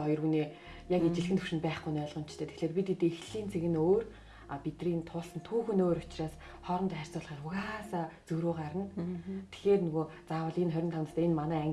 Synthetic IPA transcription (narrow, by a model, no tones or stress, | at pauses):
ɔjɞ̆rɣuneː | jaket͡ɕɪ̆ɮxɘ̆nt̪ʰu̥wʃɪ̆npæːχɡujnœɮʁɞ̆mt͡ɕʰt̪ʰeːt̪ʰe̥xɮeːrpit̪it̪exɮiːnt͡sʰeɣɘ̆noːr | apit̪riːnt̪ʰʊːɮsə̆nt̪ʰuːxɵ̆noːɾʊt͡ɕraːs | χɔɾɞ̆mt̪æːr̥ʲsʊːɮʁiːrʊɣasaːt͡sɵɾuːɢaɾə̆nt̪ʰe̥xeːrnɵɣoːt͡saːwə̆ɮenχœɾʲɪnt̪ʰawnăst̪æːenmanæːæŋ